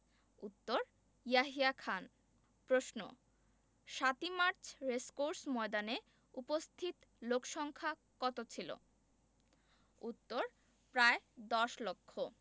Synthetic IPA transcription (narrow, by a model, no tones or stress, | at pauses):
ut̪ːoɾ | jaɦiakʰan | pɾoʃno̰ | ʃat̪imaɾt͡ɕʰɾeskoɾsmɔed̪ane | upost̪ʰit̪lokʃɔŋkʰa | kɔt̪ot͡ɕʰilo̰ | ut̪ːoɾ | pɾaed̪ɔʃlokʰːo